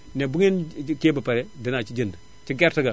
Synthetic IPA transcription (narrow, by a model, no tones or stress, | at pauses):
nebuŋinkebapaɾedinat͡ʃid͡ʒinda | t͡ʃiɡeɾtiɡa